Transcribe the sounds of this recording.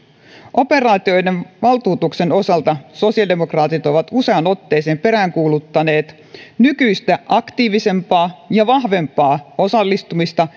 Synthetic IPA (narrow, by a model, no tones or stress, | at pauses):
ʔo̞pe̞rɑːt̪io̞jdenʋɑlt̪uːt̪ukse̞no̞sɑlt̪ɑso̞siɑldemo̞krɑːt̪it̪o̞ʋɑt̪useɑno̞t̪ːeːseːmpe̞ɾæːŋkuːlut̪ːɑne̞ːt̪ | nykyjst̪æʔɑkt̪iːʋise̞mpɑːjɑʋɑɦʋe̞mpɑːo̞sɑlːist̪umist̪ɑ